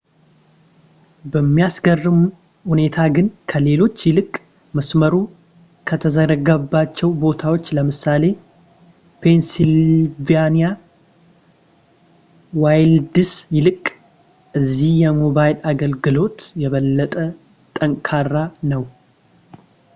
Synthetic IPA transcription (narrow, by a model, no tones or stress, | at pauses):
bəmːijasɡərːɨmu | hune̞t̪ʰaɡɨnkʰəle̞lo̞t͡ʃːjɪlɨkʼ | məsməɾu | kʰət̪ʰəzəɾəɡəbːat͡ʃːɛwbo̞t̪ʰawo̞t͡ʃːləmɨsale̞ | pʰe̞nsilvanija | wajld̪ɨsjɪlɨkʼ | ʔɨzːihjɛmobajlaɡəlɡɨlo̞t̪jɛβəlːət̪ʼə | t̪ʼəŋkʼʰarːanəw